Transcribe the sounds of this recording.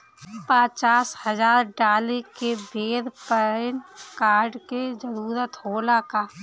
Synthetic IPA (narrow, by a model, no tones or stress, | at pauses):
pat͡ʃaːshəzaːɾɖaːlekebʱeːɾpəɪnkaːɾɖked͡ʒəɾuːɾət̪ɦoːlakaː